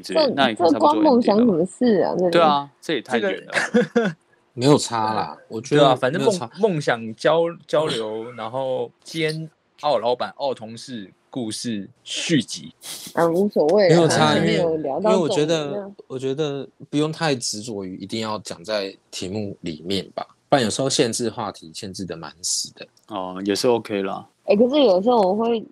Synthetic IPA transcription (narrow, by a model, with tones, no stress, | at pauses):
ə˥˧˥ə˥kwɑ˥mo˥˩ŋɕjɑ˧˥ŋʂə˨˩mə˦ʂɻ̩˥˩a̰˩nə˥˧t̪we˥˩˨st̪ʰə˥˩ɡə̰˨˧˦ | me˧˥ɪjo˨˩ʊt͡sʰa˦lɐ̰˨˩wɔ˨˩t͡ɕɥɛ˧˦˥fa˨˩nt͡sə˥ŋmo˥˨ŋɕjɑ˨˩ŋt͡ɕjɑ˦ʊt͡ɕjɑ˥ʊljo˧˦ʊna˧˥nxo˥˨˩ʊt͡ɕjɛ˦n | ɑ˥˩ʊlɑ˧˥ʊpa˨˩nʔɑ˥˩ʊt̪ʰʊ˧˥ŋʂɻ̩˥˧ | ku˥˧ʂɻ̩˥˩ɕy˥˨˩t͡ɕḭ˨˥˦a˥˩u˧˥swɔ˨˩we˥˩ɪe˦jo˨˩ʊʈ͡ʂʰa˥i˥me˧˥jo˨˩ʊljɑ˧˥ɑ˥we˧˥˨wɥɛ˧˥d̪ə˧wɔ˨˩t͡ɕɥɛ˧˥d̪ə˧˨pu˧˥jo˥˧ŋt̪ʰa˥˩ɪʈ͡ʂɻ̩˧˥t͡swɔ˨˩y˧˥i˧˥t̪i˥˧ŋjɑ˥˩ʊt͡ɕjɑ̰˨˩ŋt͡sa˥˩ɪt̪ʰi˧˥mu˥˩lḭ˨˩mjɛ˥˨˩nba̰˩ | pa˥˩njʂɻ̩˧˥xo˥˧ɕjɛ˥˧nʈ͡ʂɻ̩˥˧xwa˥˩t̪ʰi˧˦ɕjɛ˥˧nʈ͡ʂɻ̩˥˩d̪ə˩ma̰˧˦ns̩˨˩d̪̥ə˦ | ɔ˥˩jɛ˨˩ʂɻ̩˥˩o˥˧ʊkʰe˥ɪlə̰˨ | e˥˩kʰə˨˩ʂɻ̩˥˩jo˨˩ʂ̬̩˧˥xo˥˩˨xwe˥˩ɪ